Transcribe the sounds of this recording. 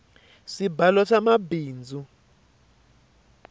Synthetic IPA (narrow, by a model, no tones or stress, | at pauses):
sibalɔsamabiːnd͡zʱu